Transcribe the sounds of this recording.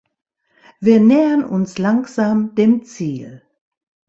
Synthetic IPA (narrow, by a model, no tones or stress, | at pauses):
viːɐnɛːənʊ̰nslaŋkz̥aːmdeːmt͡siːl